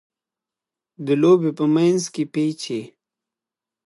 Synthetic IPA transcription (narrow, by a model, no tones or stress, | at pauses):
d̪əloːbepəmanzkepet͡ʃʰe